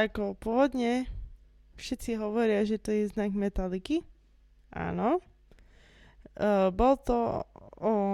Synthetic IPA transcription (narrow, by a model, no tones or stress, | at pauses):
akɔpʊɔʋɔd̪ɲɛ | fʃɛt̪t͡siɦɔʋɔɾɪaʒɛt̪ɔjɛznaɡmɛt̪aliki | ʔa̰ːnɔ | bɔlt̪ɔɔ